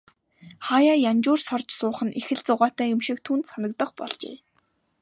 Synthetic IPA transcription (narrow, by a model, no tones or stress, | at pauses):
χaːjaːjant͡ɕʊːrsɔrt͡ɕsʊːχə̆nʔexɘ̆ɮt͡sʊʁaːt̪æːjʊmʃĭk̚t̪ʰuːnt̪sanə̆k̚t̪ə̆χpɔ̰ɮt͡ɕḛː